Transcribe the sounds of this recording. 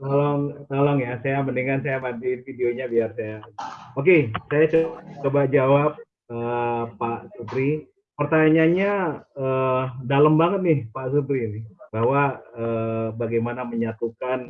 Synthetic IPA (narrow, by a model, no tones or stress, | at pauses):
t̪alɔŋt̪alaŋjasajabəndiŋkansajamandinfidioɲabiarsajaok̬esajat͡ʃot͡ʃobakd͡ʒawap̚ | əpːaʔsut̪ɾi | pərt̪aɲaɲaədaləmbaŋət̪̚nɪhpaʔsut̪̬ɾinɪhbaɦwaəːbaɡajmanaməɲat̪ukan